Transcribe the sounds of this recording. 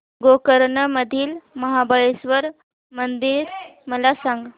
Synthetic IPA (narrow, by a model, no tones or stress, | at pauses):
ɡokəɾɳəməd̪ʱiːlməɦabʱajesʋəɾ | mənd̪iːɾməlasãŋɡ